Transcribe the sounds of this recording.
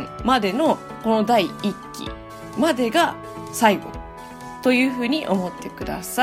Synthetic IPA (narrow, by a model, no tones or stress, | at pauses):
mad̪e̞no̞ | ko̞no̞d̪aiikʲːḭ | mad̪e̞ɡa | saiɡo̞̰ | t̪o̞jɯ̟ːɸɯ̟ːɲ̟iʔo̞mo̞t̪ːe̞kɯ̟d̪a̰sa